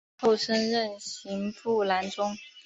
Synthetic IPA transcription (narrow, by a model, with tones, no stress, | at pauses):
o˥˩ʊʂə˥nɻə˥˩nɕi˧˥ŋpu˥˩la˧˥nʈ͡ʂʊ˥ŋ